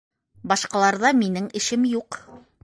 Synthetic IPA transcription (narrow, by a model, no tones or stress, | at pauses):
bɑʃqɑlˠɑɾðɑminɘŋɘ̆ʃɘmjuq